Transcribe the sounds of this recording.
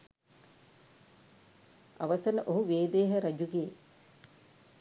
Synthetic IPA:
aʋɐsɐnəʔoɦuʋeːd̪eːɦəɾɐd͡ʒuɡeː

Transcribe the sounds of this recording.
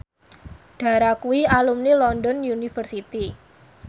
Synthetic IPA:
ɖ̥ä̤ɾakuwialumnilɔndɔnjunifərsit̪i

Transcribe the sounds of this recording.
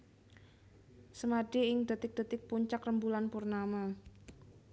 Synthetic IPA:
səmadiɪŋda̤t̪ɪk̚d̥a̤t̪ɪk̚puɲt͡ʃakrəmbulanpurnama

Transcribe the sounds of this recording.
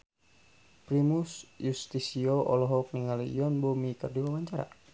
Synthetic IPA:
pɾimusjust̪isiɔʔɔlɔɦɔk̚niŋalijɔnbɔmikərdiwawaɲt͡ʃaɾa̰

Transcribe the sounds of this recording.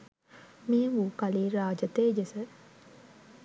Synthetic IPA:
miuːkɐliːɾaːd͡ʒɐt̪eːd͡ʒesə

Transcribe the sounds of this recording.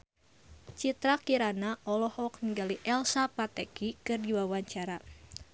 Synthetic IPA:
t͡ʃit̪ɾakiɾanaʔɔlɔhɔk̚niŋɡaliʔɛlsapat̪ɛkikɨrdiwawaɲt͡ʃaɾa

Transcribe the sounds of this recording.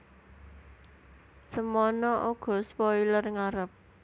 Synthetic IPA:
səmɔnɔʔoɡ̥ɔ̤spɔilərŋaɾəp̚

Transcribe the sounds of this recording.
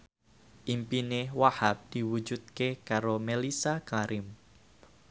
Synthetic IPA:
ʔimpinewahap̚d̪̥i̤wu̥d͡ʒud̪̚kekaɾomelisakaɾɪm

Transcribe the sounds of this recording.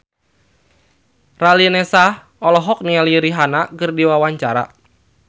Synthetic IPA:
ralinɛsah | ɔlɔɦɔk̚nialiɾiɦanakɨrdiwawaɲt͡ʃaɾa̰

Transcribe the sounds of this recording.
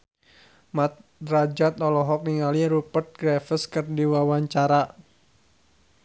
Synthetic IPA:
mat̪̚rad͡ʒat̪ɔlɔɦɔk̚niŋaliɾupərt̪̚ɡɾafəskɨrdiwawaɲt͡ʃaɾa

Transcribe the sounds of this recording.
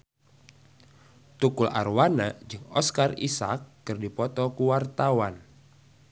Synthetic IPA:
t̪ukulʔa̰rwanad͡ʒɨŋɔskarḭsa̰kːɨrdipɔt̪ɔkuwart̪awan

